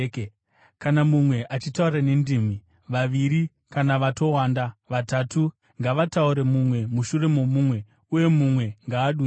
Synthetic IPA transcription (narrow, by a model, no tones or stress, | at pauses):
kanamumwe̞ʔat͡ʃitaurane̞ndim̤i | ʋaʋiɾi | kanaʋato̞wandaʋatatu | ŋɡaʋatauɾe̞mumwe̞muʃure̞mo̞muːmwe̞ | uje̞mumwe̞ŋɡaːɗu